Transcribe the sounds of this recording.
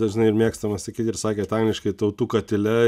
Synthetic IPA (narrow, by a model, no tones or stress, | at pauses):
ɐʒʲɪnɐɪɪɾmʲiɛkst̪ɐmɐsɐkʲiːt̪ʲɪɾsɑːkʲeːt̪ɑŋɡlʲɪʃkɐɪt̪ɐʊt̪uːkɐt̪ʲɪlʲɛ